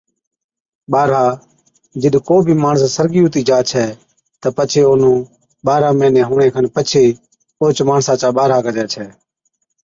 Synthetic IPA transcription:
ɓaːɾaː | d͡ʒɪɗkoːbʱiːmaːɳəssəɾɡiːũːt̪iːd͡ʒaːt͡ʃʰɛː | t̪əpət͡ʃʰeːoːnũː | ɓaːɾaːmẽːnẽːɦʊːɳeːkʰənpət͡ʃʰeː | oːt͡ʃmaːɳsãːt͡ʃaːɓaːɾaːkəd͡ʒɛːt͡ʃʰɛː

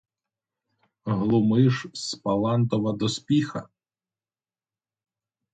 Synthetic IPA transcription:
ɦlˠʊmɪʒspɐlˠɑnt̪ɔʋɐd̪ɔspʲixɐ

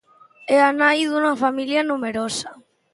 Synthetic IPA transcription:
ɛanajðunɐfamiljɐnumeɾosɐ

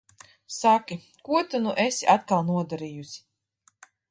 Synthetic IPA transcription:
sakʲi | kuɔt̪anuʔesʲiʔat̪kalˠnuɔd̪aɾiːjusʲi̥

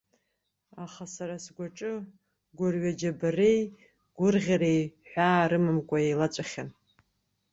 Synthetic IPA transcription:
aχasaɾasɡʷaʈ͡ʂʼɨ | ɡʷʊrɥad͡ʒabarej | ɡ̥ʷʊrʁʲaɾejħʷᶣaːɾɨmɨmkʷʼaejlat͡sʷʼaχʲan

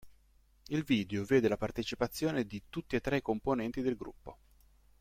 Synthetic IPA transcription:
ilviːd̪eoveːd̪elapart̪et͡ʃipat̪sːjoːned̪it̪ut̪ːiet̪ːɾekːomponɛnt̪id̪elɡɾṵpːo

